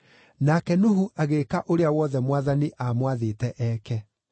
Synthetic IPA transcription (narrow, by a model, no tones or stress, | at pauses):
nakɛnoɦuʔaɣekaʔoɾeawɔðɛmwaðaniʔamwaðetɛʔɛːkɛ